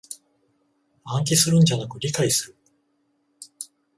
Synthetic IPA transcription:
ãŋk̬ʲisɨɾɯ̟̃ɲ̟d͡ʑanakɯ̟ɾʲikaisɨɾɯ̟

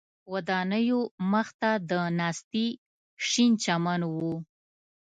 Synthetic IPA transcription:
wad̪ɑnəjoməxt̪ad̪ənɑst̪i | ʃint͡ʃamanwu

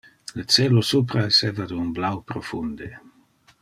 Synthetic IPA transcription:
lət͡sɛːlosup̬ɾaeseːvad̪unblawpɾofund̪e

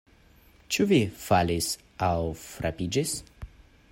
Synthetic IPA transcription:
t͡ʃuvifalis | awfɾapid͡ʒis

